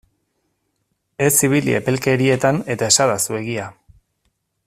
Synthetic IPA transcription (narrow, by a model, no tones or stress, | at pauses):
e̞siβ̞ilḭe̞̰pe̞lke̞ɾie̞t̪ane̞t̪ae̞saðasue̞ɣia